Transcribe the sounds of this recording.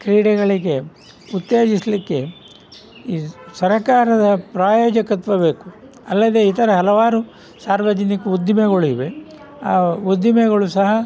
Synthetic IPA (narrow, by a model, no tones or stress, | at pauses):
kɾiːɽɛɡɐɭiɡe̞ | ut̪jeːd͡ʒislikːe̞ | isɐɾɐkaːɾɐd̪ɐpɾaːjoːd͡ʒɐkɐt̪ʋɐbe̞ːku̥ | ɐlːɐd̪e̞ːit̪ɐɾɐɦɐlɐʋaːɾu | saːɾʋɐd͡ʒɐnikɐud̪jimɛɡɐɭuiʋe | aːud̪imɛɣɐɭusɐɦɐ